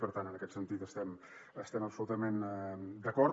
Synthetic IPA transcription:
pəɾt̪anənəkɛt̪sənt̪it̪əst̪ɛm | əst̪ɛməpsulut̪əmend̪əkɔɾ

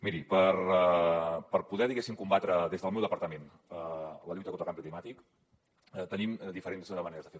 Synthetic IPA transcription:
miɾipər | pəɾpuðɛðiɣesimkumbat̪ɾəðezðəlˠmewðəpəɾt̪əmen | ələʎujt̪əkont̪ɾlkambiklimat̪ik | t̪ənimd̪ifəɾenzməneɾəzðəfe

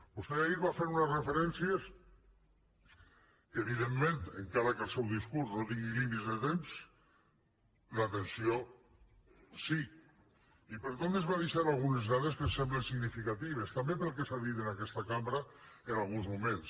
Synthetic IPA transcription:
b̥ust̪eaiɾβafeɾunezrefeɾɛnsijes | kəːβ̞iðemːẽnt̪eŋkaɾakəlˠsɛwðiskuɾznot̪iŋɡilimit̪zðət̪ems | lat̪ensio | si | ipəɾt̪onezβaðiʃaɾalˠɣunezðaðeskəsɛmblensiɣnifikat̪iβ̞est̪ambepəlˠk̬esaðit̪enakɛst̪akambɾaenalˠɣunzmumẽns

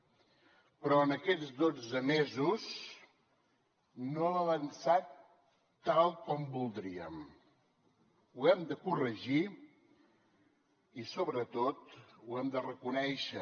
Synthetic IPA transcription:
pɾɔənəkɛd͡zd̪od͡zəmezus | noələnsat̪ː | alˠkɔmbulˠd̪ɾiə̰m | uɛmd̪əkurəʒi | isoβɾət̪ot̪uɛmd̪ərəkunɛʃə

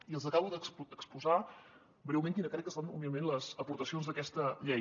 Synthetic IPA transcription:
iəlˠzəkaβuðəksəkspuza | bɾewmẽŋkinəkɾɛkːəst̪anubiəmenləzəpuɾt̪əsionzðəkɛst̪əʎɛ

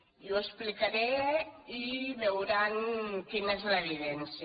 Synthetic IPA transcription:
juesplikaɾeiβewɾaŋkinezleβiðɛnsj

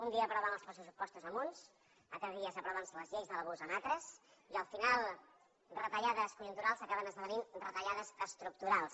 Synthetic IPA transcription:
und̪iəːpɾɔβanəlˠspɔsusupɔst̪uzəmuns | ət̪əɣiəzəpɾɔβansələzʎejzðələβozənat̪ɾəs | iəlˠfinalˠ | rət̪əʎaðəskujunt̪uɾalˠzəkaβənəzðəβəninrət̪əʎaðəzəst̪ɾuk̚t̪uɾalˠs

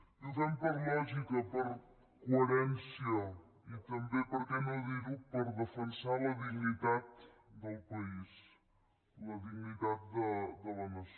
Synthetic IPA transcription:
uzɛmpəɾlɔʒikəpəɾ | kuəɾɛnsiə | it̪əmbepəɾkɛnəðiɾupəɾðəfənsaləðiɡnit̪at̪̚d̪əlˠpəis | ləðiɡnit̪at̪̚d̪əd̪ələnəs

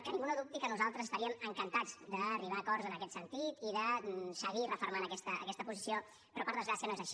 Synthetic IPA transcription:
kənĩŋɡunəðup̚t̪ikənuzalˠt̪ɾəzəst̪əɾiəməŋkənt̪ad͡zd̪əːriβ̞aːkɔɾzənəkɛt̪sənt̪it̪iðəsəɣirəfoɾmanəkɛst̪ə̰ːkɛst̪əpuzisio | pɾɔpəɾðəzɣɾasiənoezəʃi

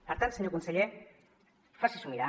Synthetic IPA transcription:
aɾt̪ansineɣunsaʎe | fasesumiða

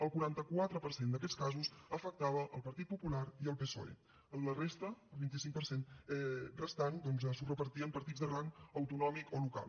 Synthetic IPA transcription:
əlˠkuɾant̪əkwat̪ɾəpəɾsend̪əkɛskazusəfək̚t̪aβəʔəlˠpəɾt̪it̪̚pupulaɾiəlˠpeso̰ḛ | ənlərest̪əəlˠβint̪̬isiŋk̚pəɾsenɛrəst̪and̪ɔnzəsurəpəɾt̪iəmpəɾt̪id͡zðəɣɾaŋəwt̪unɔmikoluka̰l

